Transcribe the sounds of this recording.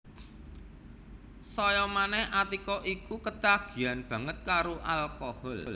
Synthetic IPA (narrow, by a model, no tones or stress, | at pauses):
sɔjɔmanɛhʔat̪ikɔʔikukət̪aɡ̥i̤janb̥ä̤ŋət̪̚kaɾoʔalkɔhɔll